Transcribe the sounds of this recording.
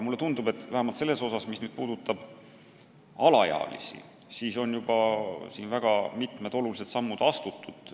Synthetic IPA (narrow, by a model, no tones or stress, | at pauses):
mulːe̞t̪und̪̥ube̞t̪ːˑvæɦæmɑlt̪se̞lːe̞so̞sɑsmisnyːd̪̥puːd̪̥ut̪ːˑɑb̥ | ɑlɑjɑ̰ːlḭsḭ | siːso̞njub̥ɑsiːnvæɡ̥ɑmit̪ˑme̞d̪o̞lulised̪sɑmːud̪̥ɑst̪ut̪ːˑud̪̥